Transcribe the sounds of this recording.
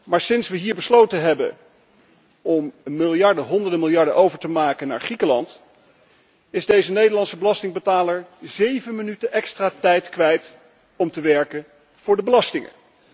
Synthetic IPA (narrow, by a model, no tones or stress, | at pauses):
maːɹsɪnsʋəɦiːɹbəslowtənɦɛbə̰ | ɔmːɪlˠjɑɹdəɦɔndəɹdəmɪlˠjɑɹdə̰ʔowvəɹtəmaːkəna̰ːɹχrikəlɑ̰nt | ɪzdejzənejdəɹlɑntsəbəlɑstɪŋbətaːləɹzejvənmənytənʔɛkstraːtɛjtkʋɛjt | ɔmtəʋɛɹkən | v̥ʊːɹdəbəlɑstɪŋə̰